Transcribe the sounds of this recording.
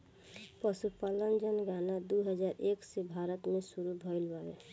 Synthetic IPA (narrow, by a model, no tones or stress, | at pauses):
pəsupalənd͡ʒənɡanad̪uɦəd͡ʒaːɾeːksebʱaɾət̪mẽsuɾubʱəɪlbaɡe